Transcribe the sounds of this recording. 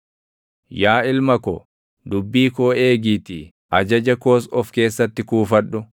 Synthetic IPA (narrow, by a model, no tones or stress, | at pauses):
jaːɪlmɐkɔ̰ | d̪ʊbːiːkoːe̞ːɡiːt̪ɪ | ʔɐd͡ʒɐd͡ʒɐko̞ːsɔfke̞ːsːɐt̪ːɪkuːfɐᶑːʊ